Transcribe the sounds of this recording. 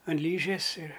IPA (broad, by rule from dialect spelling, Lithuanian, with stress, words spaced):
ɐn ˈlʲiːʒʲeːs ɪr